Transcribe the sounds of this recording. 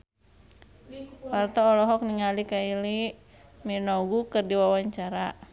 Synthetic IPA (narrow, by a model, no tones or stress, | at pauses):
wart̪ɔːlɔɦɔk̚niŋalikaili | minɔɡukɨrdiwawaɲt͡ʃaɾa